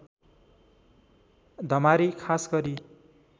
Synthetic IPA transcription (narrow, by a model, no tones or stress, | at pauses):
d̪ʱʌmaɾikʰasɡʌɾi